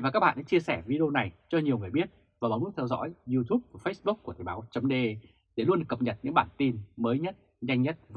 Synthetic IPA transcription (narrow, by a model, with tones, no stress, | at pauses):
aː˨˩kaː˦˥k̚ɓa̰ː˧˨ɗa̰ː˧˦t͡ɕi˧əsɛ˧˩vi˧ɗe˧o˧na˨˩jt͡ɕɔ˧ɲi˨˩əwŋɨ˨˩əjɓi˦˥ət̚ | vaː˨˩a˨˦ŋ͡mu˦˥t̪ʰwzɔ̰˧˥jzu˧t̪ʰu˦˥p̚vaː˨˩fə˦˥sɓu˦˥k̚ku˧˩ət̪ʰə˨˩ɓaː˨˦wt͡ɕə˨˦ŋ͡mɗe˧ | ɗe˧˩lu˧ənɗɨ˨˩kːə˨˩p̚ɲə˨˩t̚ɲɨ̰˧˥ŋɓaː˧˩nt̪i˧nməː˨˦jɲə˦˥t̚ | za˧jŋɲə˦˥t̚v